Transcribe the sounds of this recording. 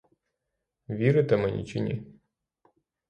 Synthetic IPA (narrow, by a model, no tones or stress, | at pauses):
ʋʲiɾɪt̪ɛmɛnʲḭt͡ʃinʲḭ